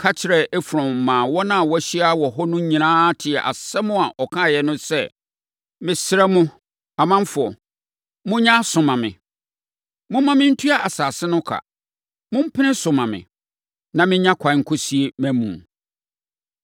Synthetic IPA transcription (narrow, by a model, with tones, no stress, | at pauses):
kʰa˦t͡ɕʰɪ˨ɾɛ˨e˦fɾɔ̃˨m̩˨mãː˨wɔ˦nã˦˨wɔ˦æ˦ɕi˦a˦wɔ˨ɦɔ˦nʊ̃˦ɲĩ˨nãː˦tʰɪ˨ɛ˨ʔa̰˨sɛ˦mʊ̃˦a˨ʔɔ˨kʰã˦˨jɛ˨nʊ̃˦sɛ˦˨ | mɪ̃˨sɪ˦ɾɛ˦mʊ̃˦ | a˨mã˦m˦fʊ˨ɔ˨ | mʊ̃˦ɲã˦sʊ̃˨mã˨mɪ̰̃˨ | mʊ̃˦mã˦mɪ̃˦n̩˦tʰu˦a˦a˨saː˨sɪ˦nʊ̃˦kʰa̰˨ | mʊ̃˦m̩˦pʰɪ˦nɪ̃˦sʊ̃˨mã˨mɪ̰̃˨ | nã˨mɪ̃˦ɲã˦kʷʰã˨˦ŋ̩˨kʰɔ˦si˨˦e˨mæ̃˦mṵ̃˨